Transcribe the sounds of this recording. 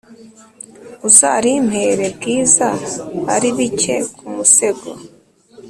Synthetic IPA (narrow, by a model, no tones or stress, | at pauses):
uzaɾim̥he̞ɾe̞bɡiːzaha̰ɾiβice̞kʰumuse̞ɡo